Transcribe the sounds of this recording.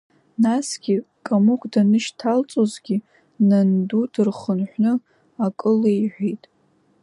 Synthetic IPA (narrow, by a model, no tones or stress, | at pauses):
nasɡʲi | kʼamukʷʰʼdanɨʃtʰalt͡sʼozɡʲi | nandudɨrχənħʷnɨ | akʼɨleiħʷᶣejtʼ